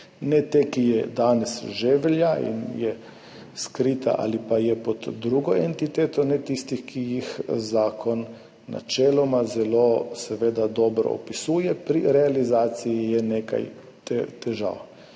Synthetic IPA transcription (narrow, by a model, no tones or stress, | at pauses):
nɛt̪ekijɛd̪aːnɛsʒeʋɛljaḭnjɛ | skɾit̪a̰ʔa̰lipajɛpɔd̪d̪ɾuɡɔent̪it̪eːt̪ɔnɛt̪ist̪ixkʰijixzaːkʰɔnː | a̰t͡ʃɛːlɔmazɛlosɛʋeːd̪ad̪ɔːbɾɔ̰ɔ̰pisuːjɛpɾiɾɛalizaːt̪sijijɛneːka̰j | t̪ɛt̪ɛʒa̰ːw